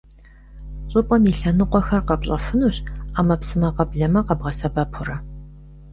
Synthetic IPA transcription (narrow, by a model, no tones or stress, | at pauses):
ɕʼʊpʼɐmiɬɐnɨqʷɔxɐrqɐpɕʼɐfɨnuɕaːmɐpsɨmɐqɐbɮɐmɐqɐbʁɐsɐbɐpʰʊrɐ